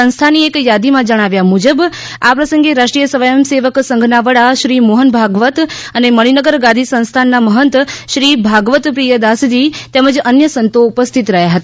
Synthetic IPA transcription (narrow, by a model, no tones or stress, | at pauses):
ə̃ñst̪ʰaniekjad̪imãd͡ʒəɽ̃aʋjamud͡ʒəb | apɾəsə̃ŋɡeɾaʃʈɾijəsəʋajəmseʋəksəŋɡʱnaʋəɽaʃɾimoɦənbʱaɡʋət̪ | əneməɽ̃inəɡəɾɡad̪ʱisə̃nst̪ʰanːaməɦənt̪ʃɾibʱaɡʋət̪pɾijəd̪asd͡ʒ̪it̪ɛməd͡ʒənjəsənt̪oupəst̪ʰit̪ɾəɦjaɦət̪a